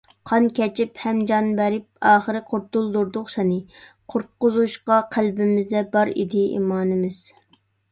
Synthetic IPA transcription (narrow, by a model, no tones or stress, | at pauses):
qʰɑnkʲɛt͡ʃʰiphɛmd͡ʒɑnbɛɾɪp̚ɑːχəɾɨqʰoɾt̪ulˠd̪uɾd̪ʊχsɛnɪqʰʊɾ̚qʊzuʃqɑqʰælbɪmɪzd̪ɛbɑɾḭd̪ɪḭmɑːnɪmɪz̥